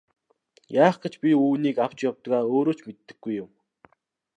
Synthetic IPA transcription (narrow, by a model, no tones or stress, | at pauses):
jaːχɡ̥ĕt͡ɕpʲiuːniːkaw̥t͡ɕjawt̪ɡaːoːɾoːt͡ɕmet̪ːɘ̆ɡːujʊm